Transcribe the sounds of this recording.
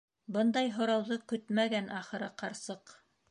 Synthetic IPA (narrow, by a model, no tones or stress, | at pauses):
bɤnd̪ɑjɦŏɾɑwðɤkɵt̪mæɡænʔɑχɤ̆ɾɤqɑɾsɤq